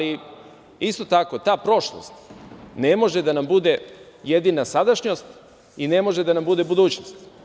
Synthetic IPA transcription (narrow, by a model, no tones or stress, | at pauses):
li | ist̪o̞t̪ako̞t̪aːpɾo̞ʃlˠo̰st̪ne̞mo̞ʒed̪anambud̪e | je̞d̪inasad̪aʃɲo̞st̪ | ine̞mo̞ʒed̪anambud̪e̞bud̪uːt͡ɕnost̪